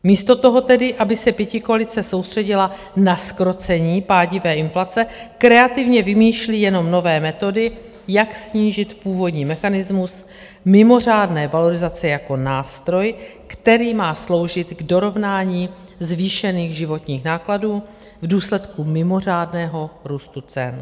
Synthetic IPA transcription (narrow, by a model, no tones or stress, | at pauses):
miːst̪o̞t̪o̞ɦo̞t̪ɛdɪʔabɪsɛpjɛcɪkoalɪt͡sɛso̞wst̪r̥ɛɟɪla | naskɾo̞t͡sɛɲiːpaːɟɪvɛːɪnflat͡sɛkɾɛat̪ɪvɲɛvɪmiːʃliːjɛno̞mno̞vɛːmɛt̪o̞dɪ | jaksɲiːʒɪt̪puːvo̞dɲiːmɛxanɪzmus | mɪmo̞r̝aːdnɛːvalo̞ɾɪzat͡sɛjako̞naːst̪ɾo̞j | kt̪ɛɾiːmaːslo̞wʒɪt̪ɡdo̞ɾo̞vnaːɲiː | zviːʃɛniːɣʒɪvo̞t̪ɲiːxnaːkladuː | vduːslɛt̪kumɪmo̞r̝aːdnɛːɦo̞ɾuːst̪ut͡sɛn